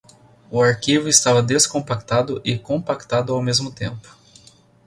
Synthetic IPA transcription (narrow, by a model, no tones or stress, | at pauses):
ʊaɾkivʊɪst̪avɐd̪eskõmpak̚t̪ad̪ʊʔɪkõpakt̪ad̪ʊawmezmʊt̪ḛ̃mpʊ̥